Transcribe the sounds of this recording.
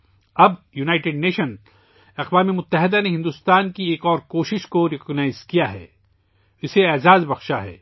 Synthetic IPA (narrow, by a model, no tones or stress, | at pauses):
ɐbjunaːɪʈeɖneːʃən | ɐqʋaːmemʊt̪ːɐɦɪd̪aneɦɪ̃nd̪ʊst̪aːnkieːkɔːɾkoːʃɪʃkoɾɪkɔɡnaːɪzkijaɦɛ̰ː | ɪseɛːzaːzbɐxʃaɦɛ̰ː